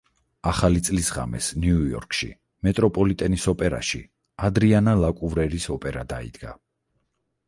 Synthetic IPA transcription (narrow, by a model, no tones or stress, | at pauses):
aχalit̪sʼlisʁa̰mɛ̰sniujɔ̰ɾkʰʼʃḭ | mɛt̪ʼɾɔpʼɔlit̪ʼɛnisɔpʼɛɾa̰ʃḭ | ad̪ɾianalakʼuvɾɛɾisɔpʼɛɾad̪aḭd̪̥ɡa